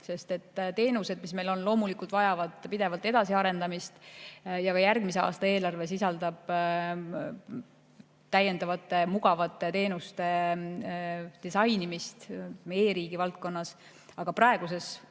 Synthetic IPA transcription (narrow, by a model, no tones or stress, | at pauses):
se̞st̪e̞t̪ːt̪e̞ːnuse̞d̪̥̚misme̞jlo̞nlo̞ːmulikˑult̪v̥ɑjɑvɑd̪̥pid̪e̞vɑlt̪ːˑe̞d̪̥ɑsiɑɾe̞nd̪ɑmist̪jɑkɑjærɡmiseɑ̰ːst̪ɑe̞ːlɑrve̞sisɑld̪ɑb̥ | t̪æje̞nd̪ɑvɑt̪ːˑe̞muɡɑvɑt̪ːˑe̞t̪e̞ːnust̪e̞ | d̪̥isɑjnimist̪meːɾiːɡ̥ivɑlt̪̚ko̞nːɑs | ɑɡ̥ɑprɑeɡ̥use̞s